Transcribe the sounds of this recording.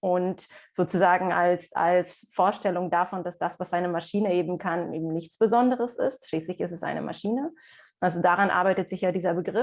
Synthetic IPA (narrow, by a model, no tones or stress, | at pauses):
ʔʊntz̥oːt͡suzaːɡŋ̩alsa̰lsfoːɐʃtɛlʊŋdafɔndasd̥asv̥asʔaɪnəmaʃiːnəʔeːbm̩kʰanʔeːbm̩nɪçt͡sb̥əzɔndəʁəsɪ̰stʃliːslɪçɪstɛsʔa̰ɪnə̰mʔa̰ʃiːnə | ʔalzodaʁanʔa̰ɐbaɪtətz̥ɪçjaːdiːzɐbəɡʁɪ